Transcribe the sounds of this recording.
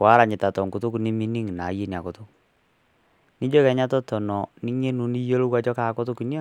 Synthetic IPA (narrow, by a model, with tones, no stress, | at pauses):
ka˦ɾa˨ɲɪ˨ta˨tɔ˨ŋku˨tʊ˦ku˨ni˦mi˦ni˦ŋ˨na˨˦je˦nja˨kʊ˨tʊ˦ | nɪ˦d͡ʒo˦kɛ˨ɲa˦tɔ˦tɔ˨nɔ˨ni˦ɲe˦nu˨ni˦jo˦lo˦wa˦t͡ʃɔ˦ka˨kɔ˦tʊ˦ki˨n˦o˦˨